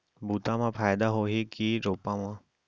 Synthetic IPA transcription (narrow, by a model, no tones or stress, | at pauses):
bʱuːt̪ãmãpʰaːjd̪aɦoːɦekiɾoːpãmãː